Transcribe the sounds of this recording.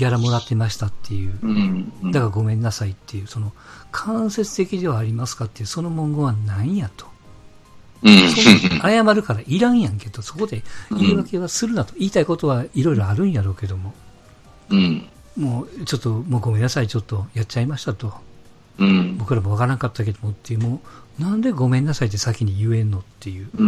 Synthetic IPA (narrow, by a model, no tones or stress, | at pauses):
ɡʲaɾamo̞d̪at̪ːe̞maɕi̥t̪at̪ʰːe̞jɯ̟ː | d̪akaɡo̞mẽ̞nːasait̪ːe̞jɯ̟ːso̞no̞kʰãɰ̃se̞t͡sɨ̥t̪e̞kʲid̪e̞βaːɾʲimasɨ̥kat̪ːe̞jɯso̞no̞mõ̞ŋɡo̞βanãĩjat̪o̥ | sooajamaɾɯ̟kaɾaʔiɾãɰ̃jãŋke̞d̪o̞so̞ko̞d̪e̞iːβake̞βasɨɾɯ̟nat̪oiːt̪aiko̞t̪o̞βaiɾo̞iɾo̞aɾɯ̟̃ɰ̃jaɾo̞ːke̞d̪o̞mo̞ | moːt͡ɕo̞t̪ːo̞mo̞ːɡo̞mẽ̞nːasait͡ɕo̞t̪ːo̞jatt͡ɕaimaɕi̥t̪at̪o̞ | bo̞kɯ̟ɾamo̞βakaɾãŋkat̪ːake̞d̪o̞mot̪ːeɯmoːnãnd̪e̞ɡo̞mẽ̞nːasait̪ːesakʲiɲ̟ijɯ̟e̞nːo̞t̪ːe̞jɯː